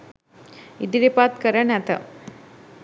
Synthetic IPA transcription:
id̪iɾepaːt̪kɐɾɐɳɐt̪ɐ̰

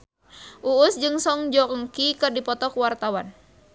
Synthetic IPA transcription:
ʔuːsd͡ʒɨŋsɔŋd͡ʒɔkəŋkikɨrdipɔt̪ɔkwart̪awan

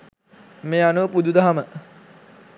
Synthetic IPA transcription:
meːanuʋəpud̪ud̪aɦamə

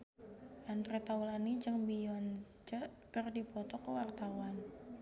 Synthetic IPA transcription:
ʔandɾet̪aulanit͡ʃəŋbijɔn | t͡ʃə | kərdipɔt̪ɔkəwart̪awan

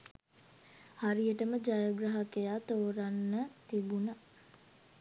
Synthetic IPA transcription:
haɾijəʈəməd͡ʒajoɡɾaɦakejaːt̪oːɾanːət̪ibuna

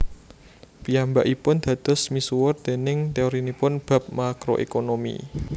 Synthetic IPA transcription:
piambaʔipʊnd̪̥ä̤d̪̥ɔ̤smisuwʊrd̪̥e̤nɪŋt̪eoɾinipʊnb̥ä̤p̚makɾo̰ʔḛkonomḭ

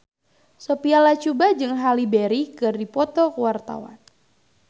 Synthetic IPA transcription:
sopialat͡ʃubad͡ʒɨŋɦalibeɾikɨrdipɔt̪ɔkəwart̪a̰wa̰n

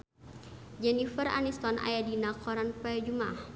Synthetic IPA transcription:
d͡ʒɛnifəra̰nist̪ɔnʔa̰jadinakɔɾanpajad͡ʒumah

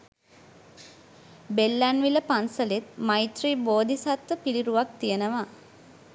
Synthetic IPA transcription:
belːanʋiləpansəlet̪̚majt̪riːboːd̪isat̪ʋəpiliɾuʋak̚t̪ijənəʋa

